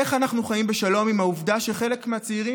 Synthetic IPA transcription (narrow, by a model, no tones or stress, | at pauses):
eχanaχnuχajimbe̞ʃalo̞mimauvdaʃeχe̞le̞kmeat͡seiʁi